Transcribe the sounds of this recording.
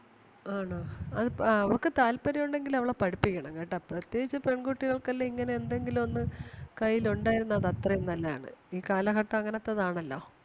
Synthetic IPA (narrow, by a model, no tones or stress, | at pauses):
aːɳoɐðɨɐʋokːɨt̪aːlpɐɾɐjuɳɖe̞ŋɡilɐʋiɭepɐɽipːikʲːɐɳɐmkejʈːaprɐt̪je̞ːɡit͡ɕːɨpe̞ɳɡuʈːiɣɐɭkɐlːoiŋːɐne̞end̪e̞ŋɡilumo̞nːɨkɐjːiluɳɖaːjiɾunːɐðɐt̪rɐjenːɐlːɐja̰ːɳɨ̰iːkaːlɐkɐʈːɐɐŋːɐnet̪ːɐðaːɳɐlːo̞̰ː